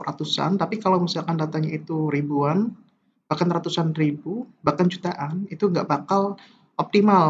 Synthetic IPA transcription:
ra̰t̪usa̰nt̪apikalawmisialkandat̪aŋɲait̪uɾibuan | b̥ahkanrat̪usanribubahkant͡ʃut̪aʔanit̪uŋɡa̰ʔbakal | ʔɔp̚t̪imal

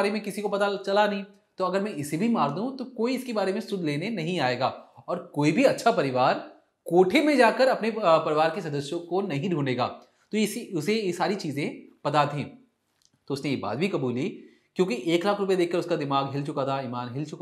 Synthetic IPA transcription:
aɾemẽkɪsikopɐt̪at͡ʃɐlanɐɦĩ | t̪oːɐɡəɾmɛ̃ʔɪsebʱimaːɾd̪ũt̪okoːiɪskebaːɾemẽsʊd̪ʱleːnenɐɦĩaːeːɡaːɔːɾkoːibʱiɐtːʃʰapɐɾɪʋaːɾ | koːʈʰemẽd͡ʒaːkəɾɐpnepɐɾɪʋaːɾkesɐd̪əsjõkonɐɦĩɖʱũːneːɡa̰ː | t̪ojesiʊsejesaːɾit͡ʃiːzẽpɐt̪at̪ẽː | t̪oːʊsnẽjeba̰ːd̪bʱikɐbuːli | kjõːkiʔeːklaːkʰɾʊp̬ed̪eːkʰkɐɾʊskad̪ɪmaːɡɦɪlt͡ʃʊkat̪ʰaiːmaːnɦɪlt͡ʃʊk

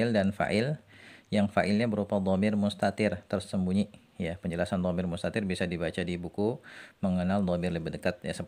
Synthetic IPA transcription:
ɪldanfa̰ʔɪljaŋfa̰ʔɪlɲabəɾupad̪ˤɔmɪrmust̪at̪ɪrt̪ərsəmbuɲi | japəɲd͡ʒəlasand̪ˤɔmɪrmust̪at̪ɪrbisadibat͡ʃadibukuməŋənald̪ˤɔmɪrləbihdəkat̪̚jasə

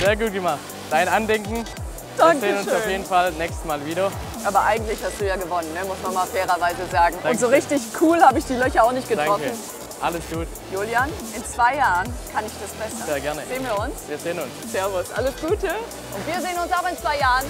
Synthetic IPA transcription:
z̥eːɐɡuːt̚ɡ̥əmaχt | d̥aɪnʔandɛŋkŋ̩ | d̥aŋzeːənʊnʃaʊfjeːdn̩falnɛːkstəmaːlviːɾɐ | ʔaːbɐʔaɪɡŋ̩tlɪçhastd̥uːjaːɡəvɔnənːəmʊsmanmaːlfɛːʁɐvaɪzəzaːɡŋ̩ʔʊntz̥oːʁ̞ɪçtɪçkʰuːlhaːbəɪçd̥iːlœçɐaʊnɪçt̚ɡ̥ətaʁɔkən̩ | ʔaləsɡ̥uːt | juːljanʔɪnt͡sv̥aɪjaːʁənkʰanɪçd̥asb̥ʁ̥ɛsɐzeːɐɡɛɐnəzeːənviːɐʊnsviːɐzeːənʊnsz̥ɛɐvʊsʔa̰ləsɡ̥uːtə | ʔʊntviːɐzeːənʊnsaʊxɪnt͡sv̥aɪjaːʁən

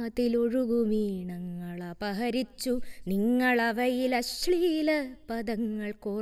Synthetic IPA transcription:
t̪ilo̞ɻuɡumiːɳɐŋːɐɭɐbɐɦɐɾit͡ɕːuniŋːɐɭɐʋɐjilɐɕɭijlɐpɐðɐŋːɐɭkoː

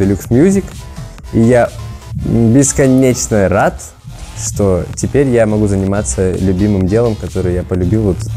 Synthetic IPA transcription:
d̪əlʲuksmʲjuzʲɪk | ija | bʲɪskɐnʲet͡ɕnəɾat̪ | ʂt̪otʲɪpʲeɾʲjamɐɡuzənʲɪmat̪səlʲʉbʲimɨmdʲe̞lˠəmkɐt̪o̞ɾɨjjapəlʲʉbʲilˠvot̪

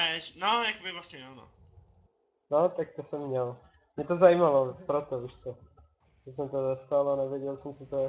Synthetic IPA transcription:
ɛʃnojakobɪvlasɲɛano̰ | not̪ak̚t̪osɛmːɲɛl | mɲɛt̪ozajimalopɾot̪ouʃt̪o | ʒɛs̬ɛmt̪ozast̪alanɛvɪɛɟɛlsɛmsɪt̪oɛ

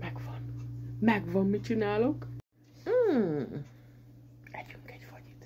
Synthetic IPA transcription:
mɛɡvɒnmɛɡʋɒmːit͡ʃinaːlo̞k̩ː | ɛɟyŋkɛɟfɒɟi̥t̪

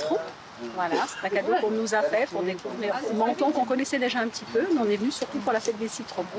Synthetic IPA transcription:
t̪χo | vwalasɛ̥t̪ãkad̪okɔ̃nuzafɛpuʁd̪ekuvʁeɔ̃mɑ̃t̪ɑ̃kɔ̃kɔnɛsɛd̪eʒaɛ̃pət̪ʰipømɛɔ̃nɛvənysyʁt̪upuʁlafɛt̪̚d̪esit̪χõ

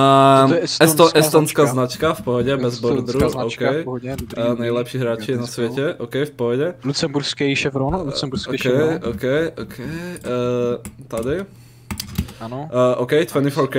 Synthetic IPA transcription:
sɛst̪ɔʔɛst̪ɔnskaːzznat͡ʃkafpɔɦɔɟɛbbɛzbɔɾd̪ɾuɔʊkɛjɛnajlɛpʃiːɦɾaːt͡ʃijɛnasʋɛcɛʔɔʊkɛjfpɔɦɔɟɛlut͡sɛmbuɾskɛjʃɛfɾɔnlusɛmbuɾskɔkɛjʔɔkɛjʔɔkʰɛj | t̪ad̪i | anʔɔkɛjt̪fɛnifɔɾk

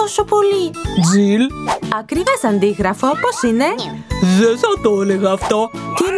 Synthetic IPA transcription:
osopolid͡zilɐkɾivesɐnd̪iɣɾɐfo̞posine̞ðesɐt̪oleɣɐːft̪ot̪in

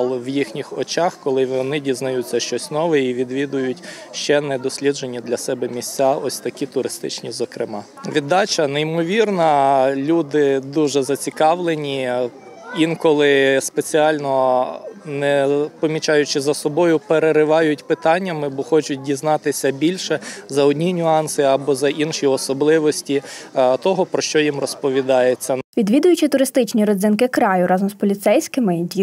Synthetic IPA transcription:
lˠɔʋjixnʲixɔt͡ʃɑxkɔlˠɪʋɔnɪdʲiznɐjutʲt͡s̪ʲːɐʃt͡ʃɔsʲnɔʋɛiʋʲid̪ʋʲid̪ʊjʊtʲʃt͡ʃɛnɛd̪ɔsʲlʲid̪d͡ʒenʲːid̪lʲɐsɛbɛmʲisʲt͡sʲaɔsʲt̪ɐkʲit̪ʊɾɪst̪ɪ̰t͡ʃnʲizɔkɾɪmɑ | ʋʲid̪ːɑt͡ʃɐnɛjimɔʋʲirnɐlʲud̪ɪd̪uʒɛzɐt͡sʲikɑʋlˠenʲi | inkɔlˠɪspet͡sʲiɑlʲnɔ | nɛpɔmʲit͡ʃɑjʊt͡ʃɪzɐsɔbɔjʊpeɾeɾɪʋɑjʊtʲpɪt̪ɑnʲːɐmɪbɔxɔt͡ʃʊt̚ʲdʲiznɑt̪ɪsʲɐbʲilʲʃɛzɐɔdʲnʲinʲʊɑnsɪɐbɔzɐʔinʃiɔsɔblˠɪʋɔsʲtʲit̪ɔɦɔpɾɔʃt͡ʃɔjimrɔspɔʋʲid̪ɑjet͡sʲːɐʋʲid̪ʋʲid̪ʊjʊt͡ʃɪt̪ʊɾɪst̪ɪt͡ʃnʲiɾɔd̪zɪnkɪkɾɑjʊɾɑzɔmspɔlʲit̪sɛjsʲkɪmɪdʲi

